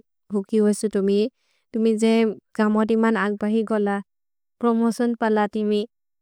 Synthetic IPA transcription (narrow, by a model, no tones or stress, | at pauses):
ɦukiwɔsutumi | tumizɛɡ̥amɔdimanak̚baɦiɡɔla | pɾɔmɔsɔnpalatimi